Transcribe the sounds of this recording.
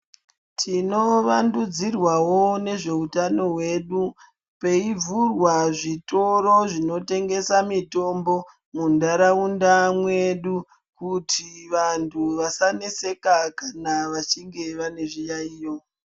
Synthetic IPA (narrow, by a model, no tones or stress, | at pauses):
tʰino̞ʋandud͡zirwawo̞ne̞ʐe̞utano̞ɦwe̞ɗu | pe̞ivurwaʐito̞ɾo̞ʐino̞te̞ŋɡe̞samito̞mbo̞ | mundaɾaundamwe̞ɗu | kutʰiʋantʰuʋasanese̞kakanaʋat͡ʃiŋɡe̞ʋane̞ʐijaiːjo